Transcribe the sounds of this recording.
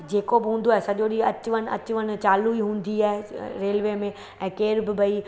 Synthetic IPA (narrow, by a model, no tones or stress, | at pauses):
d͡ʑeːkobɪɦũːnd̪oaɦeɪsɐʄoɗiɐt͡ɕʋənɐ̰t͡ɕʊʋən̆t͡ɕaːluiɦũːn̆d̪iaːɦeɾeːlʋeːmẽ | ɛ̃ːkeːɾbɪbɐi